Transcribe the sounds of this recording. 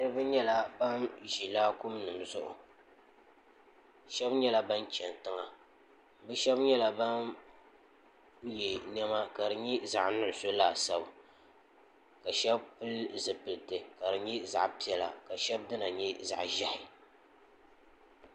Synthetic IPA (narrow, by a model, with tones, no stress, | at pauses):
nɨ˦ɾɨ˦bɨ˦ɲɛ˦la˨ba˦nʒi˨laː˦kʊ˦mnɨ˨mzʊ˦ʔʊ̰˨ | ʃɛ˦bɲɛ˦la˦ba˦nt͡ʃɛ˨n˨tɨ˦ŋa˨ | bɨ˦ʃɛ˦bɲɛ˦la˨ba˦n | jɛ˨nɛ˦ma˦ka˨dɨ˨ɲɛ˦za̰˨ʔnʊ˦ʔso˦laː˨sa˦b | ka˨ʃɛ˦bpɨ˦lzɨ˨pɨ˨ltɨ˨ka˨dɨ˨ɲɛ˦za̰˨ʔpi˦ɛ˨la̰˨ka˨ʃɛ˦b̚dɨ˦na˨ɲɛ˦za̰˨ʔʒa˦hɪ˨